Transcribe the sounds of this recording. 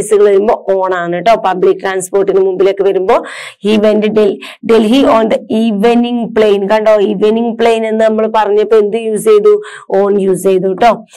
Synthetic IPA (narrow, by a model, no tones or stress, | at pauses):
sɨɣɐɭʋɐɾumbo̞ːʔoːɳaːnːiʈːoːpɐbɭikːʈɾaːnspo̞ːrʈːinɨmumbilokːeʋɐɾumbo̞ː | hiːʋendɨɖel | ɖelɦioːnd̪ɐiːʋeniŋɡpɭejnkɐɳɖoːiːʋeniŋɡpɭejne̞nːɨnɐmːɐɭpɐrɐɲːɐpːoend̪ɨjuːsejðu | oːnjuːsejðuʈːo̞ː